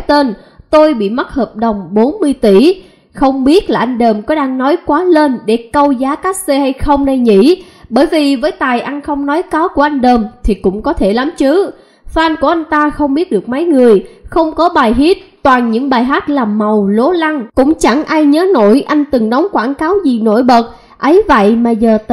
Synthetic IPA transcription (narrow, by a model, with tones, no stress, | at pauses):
t̪e˧n | t̪o˧jɓḭ˧˨ma˦˥t̚həː˨˩p̚ɗə˨˩wŋ͡mɓo˨˦nmɨ˧əjt̪i˧˩ | xə˧wŋ͡mɓi˦˥ət̚laː˨˩ʔa˧jŋ̟ɗəː˨˩mkɔ˨˦ɗaː˧ŋnɔ˨˦jkwaː˨˦ləː˧nɗe˧˩kə˧wzaː˨˦kaː˦˥k̚se˧ha˧jxə˧wŋ͡mna˧jɲḭ˧˥ | ɓəː˧˩jvi˨˩vəː˨˦jt̪aː˨˩jʔa˧jŋ̟xə˧wŋ͡mnɔ˨˦jkaː˨˦wku˧˩əʔa˧jŋ̟ɗəː˨˩mt̪ʰi˨˩kʊ̰˧˥ŋ͡mkɔ˨˦t̪ʰe˧˩la˨˦mt͡ɕɨ˨˦ | faː˧nku˧˩əʔa˧jŋ̟t̪aː˧xə˧wŋ͡mɓi˦˥ət̚ɗɨ˨˩ək̚mə˨˦jŋɨ˨˩əjxə˧wŋ͡mkɔ˨˦ɓaː˨˩jɦi˦˥t̚t̪waː˨˩nɲɨ̰˧˥ŋɓaː˨˩jɦaː˦˥t̚laː˨˩ma˨˩wlo˨˦la˧ŋkʊ̰˧˥ŋ͡mt͡ɕa˧˩ŋʔaː˧jɲəː˨˦no̰˧˩˨jʔa˧jŋ̟t̪ɨ˨˩ŋɗə˨˦wŋ͡mkwaː˧˩nkaː˨˦wzi˨˩no̰˧˥jɓə˨˩t̚ | ʔə˨˦jvə̰˧˨jmaː˨˩zəː˨˩t̪